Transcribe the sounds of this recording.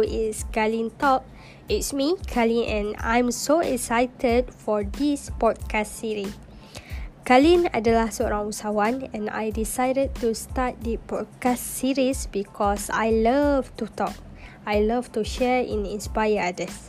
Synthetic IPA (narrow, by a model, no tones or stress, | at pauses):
iskalĩntɔp̚ | itsmikʰalĩnʔɛ̰̃nã̰jmsoɛ̰ksajtʰədfɔdispɔd̚kʰastsiɹi | kalĩna̰dəlasɔɹãŋusawãnɛ̃na̰jdisajdəd̚tustat̚dipɔd̚kastsiɹisbikʰɔsa̰jləvtutɔk̚ | ajlavtuʃɛɹḭ̃nĩnspajəadəs